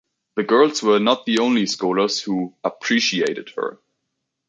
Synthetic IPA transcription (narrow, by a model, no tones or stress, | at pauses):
ðɨɡɜ˞lˠzwə˞nət̪̚ðiõʊ̃nliskɔlˠə˞z̥huəpʰɹ̥iʃieɪɾɨd̥̚hə̰˞